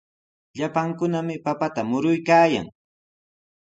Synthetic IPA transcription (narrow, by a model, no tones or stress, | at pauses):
ʎapaŋkʊnamɪpapat̪amʊɾʊjkaːja̰ŋ